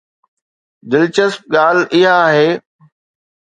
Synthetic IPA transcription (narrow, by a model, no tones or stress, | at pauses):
d̪ɪlt͡ɕəsp̚ɠaːlɪɦaːɦeː